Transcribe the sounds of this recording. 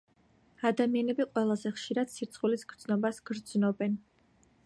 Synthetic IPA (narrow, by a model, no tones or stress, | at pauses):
ad̪amianɛbiqʼwɛlˠazɛχʃiɾad̪̥siɾt̪sʰʼχulisɡ̥ɾd̪znɔbasɡ̥ɾd̪znɔbɛn